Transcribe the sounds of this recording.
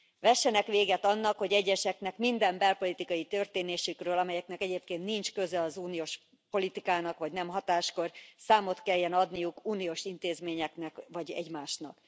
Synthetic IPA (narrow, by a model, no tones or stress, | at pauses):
ʋɛʃːɛnɛkʋeːɡɛt̪ɒnːɒkho̞ɟɛɟːɛʃɛknɛkmind̪ɛmbɛlpo̞lit̪ikɒjit̪ø̞rt̪eːneːʃykrøːlɒmɛjɛknɛkɛɟeːpkeːnt̪nint͡ʃkø̞zɛlɒzuːnijoːʃ | po̞lit̪ikaːnɒkʋɒɟnɛmɦɒt̪aːʃko̞rsaːmo̞t̪kɛjːɛnɒd̪nijukuːnijoːʃint̪eːzmeːɲɛknɛkʋɒɟɛ̰ɟmaːʃnɒk